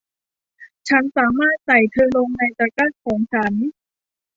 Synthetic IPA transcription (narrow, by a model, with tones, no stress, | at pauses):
t͡ɕʰa˦˥nsaː˩˦maː˥˩t̪̚sa˨˩jt̪ʰɤː˧lo˧ŋna˧jpa˧ka˥˩t̪̚kʰɔː˩˦ŋt͡ɕʰa˦˥n